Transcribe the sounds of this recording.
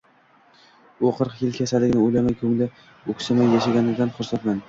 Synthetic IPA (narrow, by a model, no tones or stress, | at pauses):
oqʰɨɾqjɪlkʲʰasalɪɡʲnɪojlamajkʲʰɵŋlɪ | okʲsamajːaʃaɡʲanɪd̪anχʊɾsat̪man